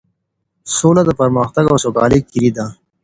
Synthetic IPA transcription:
soːlad̪əpəɾmaxt̪aɡawsokɑ̰ːlikiɾid̪a

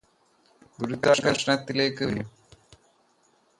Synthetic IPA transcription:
buɾut̪ːaɡɐʂɐɳɐt̪ːile̞ːkːɨʋlum

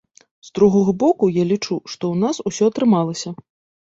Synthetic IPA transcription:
zd̪ɾuɣɔɣɐbɔkujalʲit͡ʂuʂt̪ɔwnasusʲɔɐt̪ɾɨmalˠɐsʲɐ

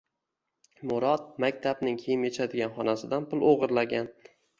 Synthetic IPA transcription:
mʊɾɒt̪̚makʲt̪ʰabnɪŋkʲʰejɪmjet͡ʃʰad̪ɪɡʲanχɒnasɪd̪anpʊlˠoʁɨɾlaɡʲan

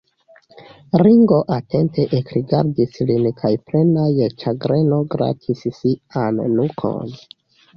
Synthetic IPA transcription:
ɾiŋɡo̞ʔate̞ntʰe̞ʔekɾiɡaɾdislinkʰajpɾe̞najet͡ʃaɡɾe̞no̞ɡɾa̰tʰissianːukʰo̞̰n

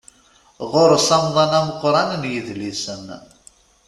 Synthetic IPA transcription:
ʁʊɾsɑmðˤɑnæməqːɾˤɑnnjəðlisən

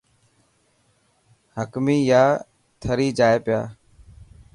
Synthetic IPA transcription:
həkmiːjaː | t̪ʰəɾiːd͡ʒaːeːpɪja̰ː

